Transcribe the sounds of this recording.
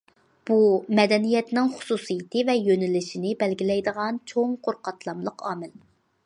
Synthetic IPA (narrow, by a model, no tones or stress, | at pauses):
b̥umɛd̪ɛnijɛt̪nɪŋχʊ̥susɨjit̪ʰɨvɛjønɪlɪʃinɪbɛlɡʲilɛjd̪əʁɑnt͡ʃʰoŋqʰoɾqɑt̪lˠɑmlˠəqʰɑːmɪl